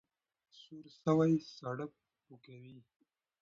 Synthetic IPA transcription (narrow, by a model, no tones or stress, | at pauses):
suɾsəwajsaɽəp̚ | ukawi